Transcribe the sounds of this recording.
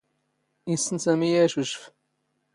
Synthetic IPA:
isənsæmijæʃuʃf

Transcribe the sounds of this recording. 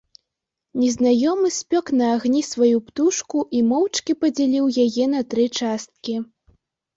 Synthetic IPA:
nʲɛznajɔmɨsʲpʲɔknɐːɣnʲisvajupt̪uʂkuʔimɔwt͡ʂkʲipɐd͡zʲalʲiwjajɛnɐt̪ɾɨt͡ʂast̪̚kʲi

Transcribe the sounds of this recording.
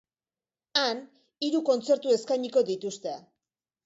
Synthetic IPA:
an | iɾuko̞nt͡se̞ɾt̪ue̞skajɲiko̞d̪it̪ust̪e̞a

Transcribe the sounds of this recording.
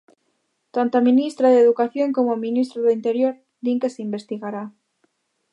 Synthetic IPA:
t̪ant̪oaminist̪ɾaðeðukaθjoŋkomominist̪ɾoðʊint̪eɾjoɾ | d̪iŋkeseimbest̪iɣaɾa

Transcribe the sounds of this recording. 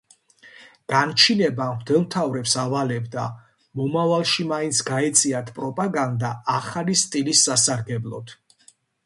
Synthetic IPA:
ɡ̥ant͡ʃʰinɛbad̪ɛlˠmt̪ʰavɾɛpsavalɛbd̪a | mɔmavalˠʃimaint̪sʰɡaɛt̪sʼiat̪ʰpʼɾɔpʼaɡand̪aːχalist̪ʼilisːasaɾɡɛblˠɔ̰t̪ʰ

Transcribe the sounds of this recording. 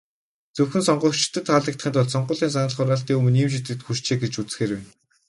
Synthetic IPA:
t͡sɵwxɘ̆nsɔɴɢɞ̆kt͡ɕt̪ʰːɘ̆t̪ʰːaːɮə̆k̚t̪χĭːnt̪ʰʊɮsɔɴɢʊːɮiːns̬anə̆ɮχʊɾaːɬt̪iːŋɵmɘ̆niːmʃ̬it̪ɡɘ̆kt̪xuʃt͡ɕeːɡet͡ɕut͡s̆xeːrwen

